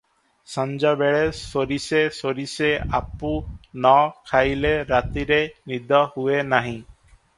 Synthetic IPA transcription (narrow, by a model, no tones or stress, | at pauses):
sãnd͡ʒabeɭesoɾisesoɾisea̰punɔkʰajleɾat̪iɾenid̪ɔhuenaɦĩ